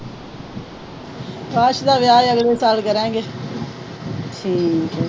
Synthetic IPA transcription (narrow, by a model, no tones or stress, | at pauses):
paːʃd̪aːʋjaːjəɡleːsaːlkəɾẽːŋɡeː | ʈʰiːkɛː